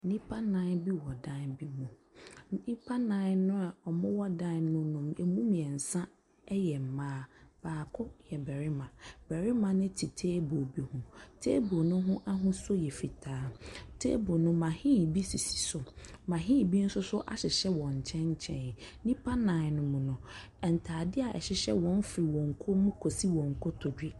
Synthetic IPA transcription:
nĩ˦pʰa˦nã˨˦bi˦wɔ˨dã˦nbi˦mũ˨ | nĩ˦pʰa˦nã˨˦nʊ̃˦a˨ɔ˨mʊ̃˦wɔ˦dã˦nnʊ̃˦nʊ̃˨me˨mũ˦mĩ˨ɛ˨n̩˨sã˦ | jɛ˨m̩˨mãː˦b̥aː˨kʰʊ˦jɛ˨bɛ˨ɾɪ˦mã˨b̥ɛ˨ɾɪ˦mã˨nɪ̃˦tʰi˨tʰeː˦bo˨bi˦hʊ̃˦tʰḛː˦bo˨nʊ̃˦ɦʊ̃˦ʔa˦ɦʊ̃˦so˦jɛ˨fi˨tʰaː˨˦tʰḛː˦bo˨nʊ̃˦mã˨hĩ˦˨bi˦si˨si̥˨sʊ˨mã˨ɦĩ˦˨bi˦n̩˦sʊ˦sʊ˦ʔa̰˨ɕɪ˨ɕɛ˦wɔ̃˨ɲ˨t͡ɕʰɛ̃˦ɲ˦t͡ɕʰɛ̰̃˦˨n˨nĩ˦pʰa˦nã˨nʊ̃˨mũ˨nʊ̃˨ | ɛ˨n̩˨tʰaː˨dɪ˦a˨ʔɛ̰˨ɕɪ˨ɕɛ˦wɔ̃˨˦n˦fɾi˨wɔ̃˨ŋ˨kʰo˦mũ˦kʰo˨si˦wɔ̃˨ŋ˨kʰɔ˦tʰɔ˨di˦

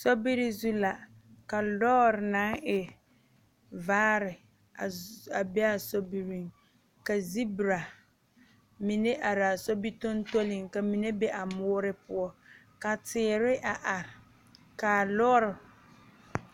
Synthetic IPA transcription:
sɔ˦bi˦ɾi˦zu˦la˨ | ka˨lɔː˦ɾna˨˦ŋɪ˨ | vaː˦ɾɪ˨ | a˨a˨bɛ˦a˨sɔ˦bi˦ɾi˨ŋ | ka˨zi˦bi˨ɾa˨ | mi˨ne˦ʔa˨ɾa˨sɔ˦bi˦tʊ˦n˦to˦lɪ˨ŋka˨mi˨ne˦be˦ʔa˨mʊː˦ɾɪ˦pʊ˦ɔ˦ | ka˨tɪː˨˦ɾɪ˦ʔa˨ʔa˨ɾɪ˨ | ka˨lɔ˦ɾɪ˨

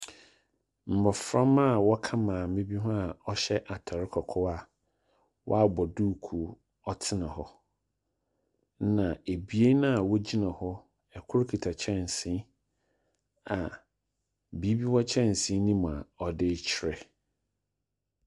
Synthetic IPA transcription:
m̩˨bɔ˨fɾã˦ma˦˨wɔ˦kʰã˦mãː˨mɪ̃˦bi˦ɦʊ̃˦a˨ɔ˦ɕɛ˦ʔa˨tʰɔ˨ɾɪ˦kʰɔ˨kʰɔ˦wa˨ | wʔɔ̰˦a˨bɔ˨duː˦kʰu˨˦ | ɔ˦tʰɪ˦nã˨ɦɔ˦ | nã˨e˨bi˨e˦nã˦a˨wɔ˦d͡ʑi˦nã˨hɔ˦ | ɛ˨kʰʊ˦ɾkʰi˨tʰa˨t͡ɕʰɛ˦˨n˨sɪ̃˦ | a˨ | bi˨˦bi˦wɔ˦t͡ɕʰɛ̃˦n˨sɪ̃˨˦nĩ˦mũ˨a˨ɔ˨dɪ˦t͡ɕʰɪ˦ɾɛ˨

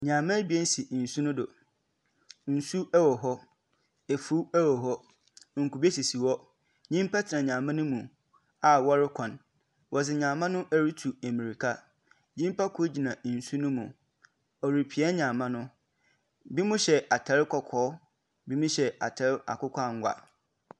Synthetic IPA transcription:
ɲã˨mã˦bi˨e˦n̩˦si˨n̩˨su˦nʊ̃˦dʊ˨ | n̩˨su˦ɛ˦wɔ˨ɦɔ˦ | e˨fu˦ɛ˦wɔ˨ɦɔ˦ | ŋ̩˨ku˨bi˦e˦si˨si˨wɔ˦ | ɲĩ˦mpʰa˦tʰɪ˨nã˨ɲã˨mã˦nʊ̃˦mũ˨ | a˨wɔ˦ɾɪ˦kʷʰã˨n | wʔɔ˨sɪ˨ɲã˨mã˦nʊ̃˦ʔæ˦ɾi˦tʰu˨æ˨mĩ˨ɾi˨kʰa˦ | ɲĩ˦m˦pʰa˦kʰʊ˦d͡ʑi˨nã˨n̩˨su˦nʊ̃˦mũ˨ | ɔ˨ɾi˨pʰi˨ɛ˦ɲã˨mã˦nʊ̃˦ | bi˦mʊ̃˦ɕɛ˨ʔa˨tʰɛ˨ɾɪ˦kʰɔ˨kʰɔː˦ | bi˦mũ˦ɕɛ˨a˨tʰɛ˨ɾɪ˦a̰˨kʊ˦kʰʷa˦˨ŋ˦ɡʷa̰˨

